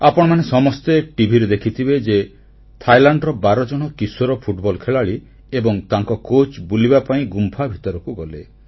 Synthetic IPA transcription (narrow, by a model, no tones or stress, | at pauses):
apɔɽ̃ɔmanesɔmɔst̪eʈibʱiɾed̪ekʰit̪ʰibed͡ʒe | t̪ʰajlaɳɖɾɔbaɾɔd͡ʒɔɽ̃ɔkisoɾɔpʰuʈbɔlkʰeɭaɭi | ebɔŋt̪aŋkɔkot͡ʃbulibapaĩɡumpʰabʱit̪ɔɾɔkuɡɔle